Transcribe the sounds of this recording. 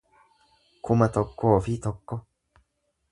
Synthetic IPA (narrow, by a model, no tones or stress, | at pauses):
kʰʊmɐt̪ɔkːoːfit̪ɔkːɔ